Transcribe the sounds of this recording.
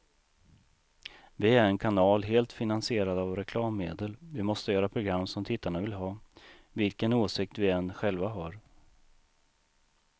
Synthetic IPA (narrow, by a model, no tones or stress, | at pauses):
vɪæɾɛnkʰanɑːlɦeːlt̪fɪnansɪeːɾad̪avɾɛkʰlɑːmːeːd̪əlvɪmɔst̪əjœːɾapʰɾʊɡɾamːsɔmt̪ʰɪt̪ːaɳavɪlɦɑː | vɪlkənoːsɪk̚t̪vɪɛnːɧɛlvaɦɑːɾ